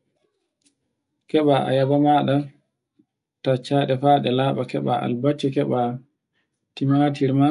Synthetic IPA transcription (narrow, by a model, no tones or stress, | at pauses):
kɛɓaʔa̰jabamaɗa | tat͡ʃːaɗɛfaːɗɛlaːɓakɛɓaʔa̰lbat͡ʃːɛkɛɓa | timaatiɾma